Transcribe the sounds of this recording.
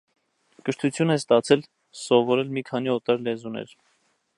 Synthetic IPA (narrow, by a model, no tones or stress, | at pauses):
kəɾt̪ʰut͡sʰjunɛst̪ɑt͡sʰɛl | sɔvɔɾɛlmikʰɑniɔt̪ɑɾlɛzunɛ̰ɾ